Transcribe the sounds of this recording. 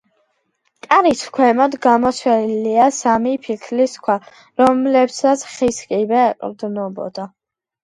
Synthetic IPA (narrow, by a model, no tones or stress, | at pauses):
t̪ʼaɾisʰkʰwɛmad̪ɡamɔt̪sʰwɛliasamipʰikʰliskʰwa | ɾɔmlɛpsat̪sʰχiskʼibɛːqʼɾd̪nɔbɔ̰d̪̥a